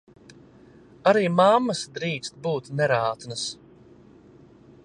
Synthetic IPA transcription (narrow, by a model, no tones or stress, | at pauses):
aɾiːmamːɐsd̪ɾiːkst̪̚buːt̪nɛɾaːt̪nəs